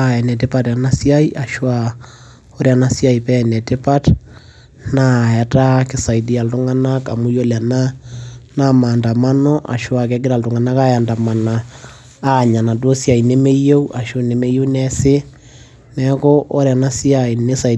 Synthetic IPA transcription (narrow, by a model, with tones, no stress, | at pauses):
aɛ˨nɛ˨te˦pa˨tja˨na˦sia˦i˦ʔa˨ʃwa | o˦ɾea˨na˦sja˦˨i˨pɛ˦nɛ˨te˦pa˦t | na˦˨ja˨ta˦kɪ˦sa˨i˨di˦a˨ltu˦ŋa˦na˦ka˨mu˦jo˦la˨na˦na˦ma˨nda˨ma˦nɔ˦ʔa̰˨ʃwa˨k̬ɛ˦kɪ˦ɾa˨ltu˨ŋa˨na˦ka˦ja˨nda˨ma˨naː˨˦˨ | ɲa˨na˨do˦sja˨i˨ne˦me˦je˦u˦ʔa˨ʃo˦ne˨me˦je˦u˦nɛsɪ˦ | nɛkɔ˦ʔɔ˦ɾja˨na˦si˦a˨i˨ne˦sa˨